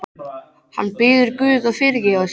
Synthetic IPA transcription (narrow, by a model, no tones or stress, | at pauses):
ha̰nːpɪːðʏɾkvʏːðaðfɪɾjɪas